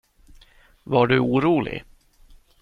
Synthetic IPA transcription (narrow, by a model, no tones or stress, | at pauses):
vaɖɵuːɾuːlɪ̰ɡ